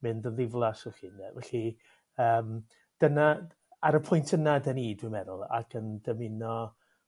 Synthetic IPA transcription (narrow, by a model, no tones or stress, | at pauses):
mɨndənðɪvlˠasɔχiːnːɛvɛɬi | əːm | d̥əna | aɾəpʰʊjntʰənadəniːdwɪmɛðʊlˠa̰kʰəndəmɪnɔ